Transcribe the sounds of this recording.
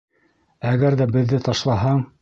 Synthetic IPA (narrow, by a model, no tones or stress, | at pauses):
æɣæɾðæbɘ̆ðːɘt̪ɑʃlˠɑɦɑɴ